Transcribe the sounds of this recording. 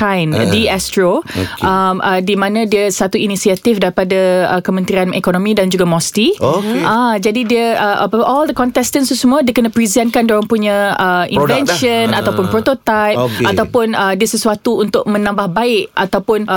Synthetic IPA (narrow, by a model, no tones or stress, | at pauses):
kajndiɛstɾoamʔədimãnãdiəsat̪uinisiat̪ifdaɾipadaəkəmə̃nt̪ɾianɛkonõmĩdand͡ʒuɡamɔst̪ioad͡ʒadidiəəʔapaʔɔldəkɔnt̪ɛst̪ənst̪usəmũadiəkənapɾizɛnkandolaŋpuɲãəʔḭ̃vɛnʃənat̪awpʊnpɾot̪ot̪ajp̚okat̪awpʊnədiəsəsuat̪uːnt̪ʊʔ̚mə̃nãmbahbaɪʔʔat̪awpʊn